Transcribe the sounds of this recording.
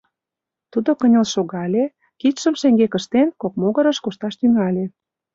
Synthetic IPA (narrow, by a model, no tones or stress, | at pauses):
t̪ud̪okənʲəlʃoɣɑlʲe | kit̪ʃə̆mʃeŋɡekəʃt̪enkok̚moɣə̆ɾə̆ʃkoʃt̪ɑʃt̪yŋɑlʲe